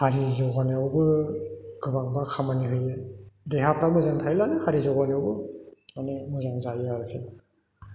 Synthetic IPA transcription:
haɾizɔɡɔneawbɯ | ɡɯbaŋbakʰamaniɦɯjedeɦapʰɾak̚mɯzaŋtʰajlanɯhaɾizɔɣɔnewbɯmanemɯzaŋzajiɾaɾkʰen

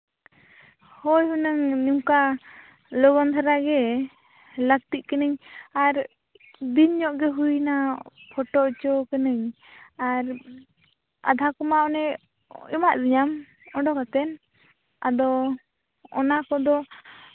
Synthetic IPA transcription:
hɔjɦunəŋɲimka | lɔɡɔnt̪ʰaɾaɡɛ | lək̚t̪iʔkənəɲaɾ | d̪iɲɲɔʔɡɛɦujnapʰɔʈɔʔt͡ʃɔkənəɲ | aɾ | a̰d̪ʱakɔmaɔnɛ | imaʔd̪iɲam | ɔɖɔkat̪ɛn | a̰d̪ɔ | ɔ̰nakɔd̪ɔ

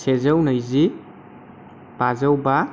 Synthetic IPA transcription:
sezəwnajzi | b̥azawba

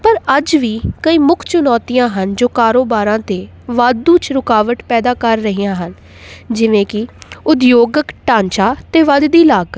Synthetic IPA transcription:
pəɾəd͡ʒʋiːkəiːmʊkʰt͡ʃʊnɔːt̪ijãːɦənd͡ʒoːkaːɾoːbaːɾãːt̪eː | ʋaːd̪ũːt͡ʃɾʊkaːʋəʈpɛːd̪aːkəɾːəɦijãːɦən | d͡ʒɪʋẽːkɪʊd̪joːɡəkʈãːɲt͡ʃaːt̪eːʋad̪d̪iːlaːɡ

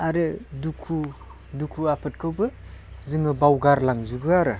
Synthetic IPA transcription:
aɾɯdukʰu | dukʰuapʰɯt̚kʰɯwbɯzɯŋɯbawɡaɾlaŋzubɯaɾɯ

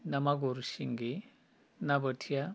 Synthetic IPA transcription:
nɐmaɡoɾʃiŋɡi | nabɐtʰja

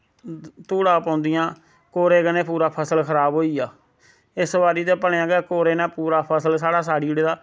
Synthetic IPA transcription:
t̪uːɽãːpãːnd̪ɪjãː | koːɾeːkənẽːpuːɾaːpʰəsəlkʰəɾaːbɦoːiːaː | ɪsʋaːɾiːd̪eːpəɳẽãːɡɛːkoːɾeːnãːpuːɾaːpʰəsəlsaːɽaːsaːɽiːɽeːd̪aː

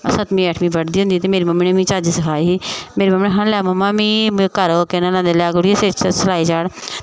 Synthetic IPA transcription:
əsət̪mĩːɛːʈʰmĩːbəɽd̪iːɦʊ̃nd̪iːt̪emeːɾiːməmnẽmĩːt͡ʃaːd͡ʒisɪkʰaːiɦiːmeːɾiːməmneːɦalɛːməmːãːmĩːkəɾoːkenãlãːnd̪eːlɛːɡʊɽieset͡ʃəsəlaːiːd͡ʒaːɽ

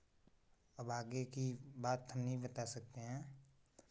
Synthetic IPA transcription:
əbaːɡekibaːt̪ɦɐmnəɦĩbət̪asɐk̚t̪eɦɛ̃ː

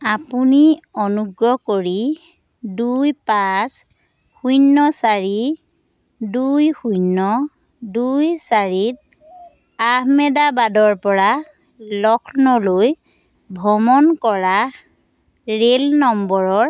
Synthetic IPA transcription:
apuniɔnuɡɹɔkoɹi | dujpas | xujnːɔsaɹi | dujxujnːɔ | dujsaɹit̚ | ahmɛdabadɔɹpɔɹa | lɔkʰnɔloj | bʱɔmɔnkɔɹa | ɹelnɔmbɔɹɔɹ

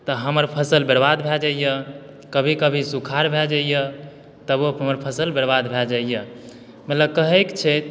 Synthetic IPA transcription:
t̪əɦəməɾpʰəsəlbəɾbad̪bʱɛd͡ʒaijə | kəbʱikəbʱisukʰaɾbʱɛd͡ʒəjə | t̪əboɦəməɾpʰəsəlbəɾbad̪bʱɛld͡ʒaijə | mət̪ləb̚kəɦəkt͡ʃʰɛ

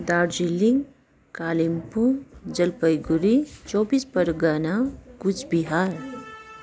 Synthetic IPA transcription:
d̪aːɾd͡ʒiliŋ | kaːlimpũd͡ʒəlpəjɡuɾit͡ʃɔːbispəɾɡanakut͡ʃʰbiɦaːɾ

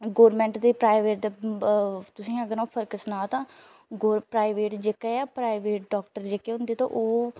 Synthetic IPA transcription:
ɡoːɾmɛ̃ːɳʈd̪eːpɾaːɪʋeːʈ̚d̪eː | t̪ʊsĩːəɡəɾõːpʰəɾkəsnãːt̪ãː | ɡoːɾpɾaːɪʋeːʈd͡ʒekeaːpɾaːiʋeːʈ̚ɖɔːk̚ʈəɾd͡ʒekeːɦʊ̃nd̪iːt̪ã̰ːʔoː

